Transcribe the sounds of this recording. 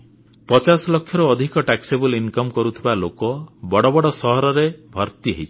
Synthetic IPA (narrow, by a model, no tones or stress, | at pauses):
pɔt͡ʃasɔlɔkʰːjɔɾuːd̪ʱikɔʈaksebulinkɔmkɔɾut̪ʰibalokɔbɔɽɔbɔɽɔsɔɦɔɾɔɾebʱɔɾt̪iɦeit͡ʃʰi